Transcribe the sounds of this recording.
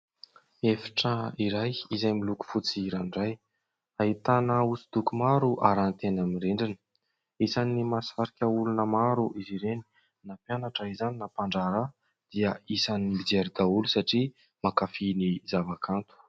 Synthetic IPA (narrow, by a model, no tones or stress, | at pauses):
efi̥ʈ͡ʂaiɾajizajmiluku̥fut͡siɾanɖ͡ʐaj | aɦit̪anəusid̪ukumaɾuʔa̰ɾant̪enamireɳɖ͡ʐinə | isanimasaɾikʲəulunəmaɾuʔiziɾeni̥ | napjanaʈ͡ʂəizaninapaɳɖ͡ʐaɾə | d̪̥iəisanmid͡zeɾid̪aulusaʈ͡ʂi | makafinizavakʰant̪u̥